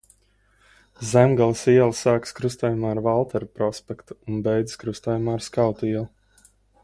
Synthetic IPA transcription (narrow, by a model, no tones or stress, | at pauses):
zæmɡalˠsiɛlˠsaːkskɾust̪ɛːjumaːɾvalˠt̪ʰɛɾpɾɔspʲɛkt̪u̥ːnbɛjd̪z̥skɾust̪ɛːjumaːɾskawt̪iɛlˠu